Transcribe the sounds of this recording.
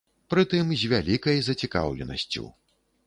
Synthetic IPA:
pɾɨt̪ɨmzʲvʲalʲikɐjzɐt͡sʲika̰wlʲɛ̰nɐ̰sʲt͡sʲṵ

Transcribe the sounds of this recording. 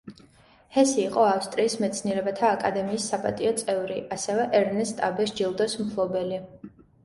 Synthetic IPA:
hɛsiːqʼɔafst̪ʼɾiːsmɛt̪sʰniɛɾɛbat̪ʰaːkʼa̰d̪ɛmiːsːapʼa̰t̪ʼiɔt̪sʼɛvɾiʔasɛvɛʔɛɾnɛst̪ʼabɛʃd͡ʒilˠd̪ɔsmpʰlˠɔbɛli

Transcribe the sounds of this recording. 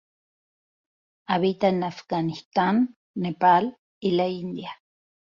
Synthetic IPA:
aβit̪anafɡanist̪anː | epal | ilaind̪ia

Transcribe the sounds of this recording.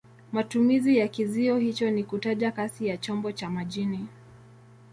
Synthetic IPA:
matumizijakiziɔhit͡ʃɔnikutaʄakasijat͡ʃɔmbɔt͡ʃamaʄini

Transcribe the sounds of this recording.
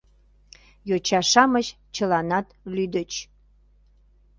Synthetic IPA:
jot͡ɕɑʃɑmət͡ɕ | t͡ɕəlɑnɑt̪lyd̪ət͡ɕ

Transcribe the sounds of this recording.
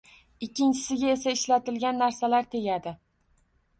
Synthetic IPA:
ɪkʲːɪnt͡ʃʰɪ̥sɪɡʲae̞saɪʃlat̪ɪlɡʲanːaɾsalaɾt̪ʰe̞ɡʲad̪ɪ

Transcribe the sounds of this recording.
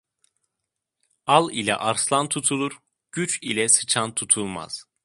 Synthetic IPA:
alˠilʲɛ̰ʔaɾslˠant̪ʰut̪ʰulˠuɾ | ɟ̥yt͡ʃilʲɛsɯ̥t͡ʃʰant̪ʰut̪ʰulˠma̰z̥

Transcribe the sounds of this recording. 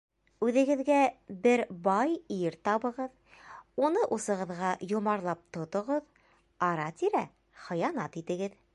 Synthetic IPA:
ʉðɘ̆ɡɘ̆ðɡæbɘɾbɑjiɾt̪ɑbɤ̆ʁɤð | unɤʔusɤ̆ʁɤ̆ðʁɑjŏmɑɾlˠɑp̚t̪ŏt̪ŏʁɤð | ɑɾɑt̪iɾæ | χɤ̆jɑnɑt̪it̪ɘ̆ɡɘð

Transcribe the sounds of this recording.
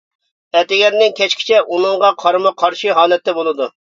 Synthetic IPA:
ɛt̪ɪɡʲɛɾnɪŋkʲʰɛt͡ʃkʲʰɪ̥t͡ʃʰɛʔunɨŋʁɑqʰɑɾɨmɨqʰɑɾʃiɦɑːlˠɛt̪ːɛbolˠɨd̪u

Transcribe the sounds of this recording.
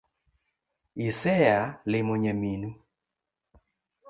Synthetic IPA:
isɛjalɪmɔɲaminu

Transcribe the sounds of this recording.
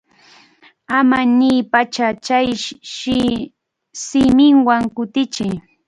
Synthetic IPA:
amanɪːpat͡ʃat͡ʃajʃɪ | sɪmɪŋwaŋkʊt̪ɪt͡ʃɪ

